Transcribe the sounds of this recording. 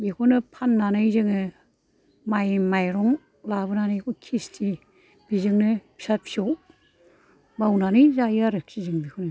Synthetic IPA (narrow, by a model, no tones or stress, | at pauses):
ekʰɔnɯpʰanːanɯjzɯŋɯ | majmajɾɔŋ | labɯnanɯkʰɔkʰistʰi | b̥izɯŋnɯpʰi̥sat̚pʰisow | bawnanɯjzajaɾɯk̚sizɯŋbikʰunɯ